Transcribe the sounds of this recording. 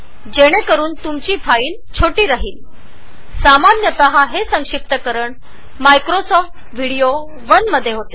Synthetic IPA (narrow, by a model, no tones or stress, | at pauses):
d͡ʑeɽ̃ekəɾuːnt̪umt͡ɕiːfʰaiːnt͡ɕʰoʈiːɾaɦiːl | samanjət̪əɦaɦesəŋkʂip̚t̪əkəɾəɳ | majkɾosɔfʈ | ʋ̤ʱiɽijo | ʋənməd̪ʱːjeɦot̪e